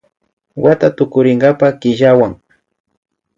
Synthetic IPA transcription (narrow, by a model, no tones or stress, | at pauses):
wat̪at̪ʊkʊɾɪŋɡapakɪʒawaŋ